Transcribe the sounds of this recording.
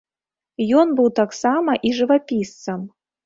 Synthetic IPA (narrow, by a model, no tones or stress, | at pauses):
jɔnbɨwt̪aksamɐʔiʐɨvapʲist̪sɐm